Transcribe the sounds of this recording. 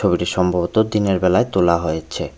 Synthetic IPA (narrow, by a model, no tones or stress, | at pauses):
obiʈiʃɔmbʱabot̪od̪ineɾbɛlaet̪olaɦojet͡ɕʰe